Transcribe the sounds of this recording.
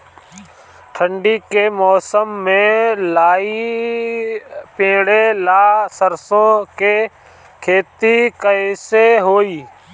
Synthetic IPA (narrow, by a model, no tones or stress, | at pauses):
ʈʰəɳɖiːkeːmɔːsəmːẽːlaːiː | pẽːɽeːlaːsəɾsõːkeː | kʰeːt̪iːkəseːɦoːiː